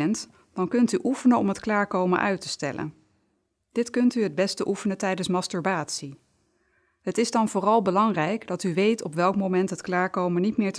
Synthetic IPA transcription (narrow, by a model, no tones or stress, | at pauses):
ənt | d̥ɑnkɵntyʔufənəɔmɦətklaːɹkowmə̰nʔœɥtə̥stɛ̰lə̰n | d̥ɪtkɵntyɦəd̚bɛstəʔufənətɛjdənsmɑstyɹbaːtsi | ɦətɪzdɑnvʊːrɑlˠbəlɑŋrɛjkdɑtyʋejtʰɔpʋɛlˠkmomɛntɦətklaːɹkowmənitmɪːɹt